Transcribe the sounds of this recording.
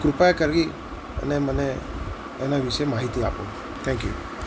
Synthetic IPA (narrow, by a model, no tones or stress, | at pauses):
kɾupajakəɾɡi | a̰nɛmanɛː | nabisəjmaɦit̪ia̰pṵ | t̪ʰɛŋkjṵ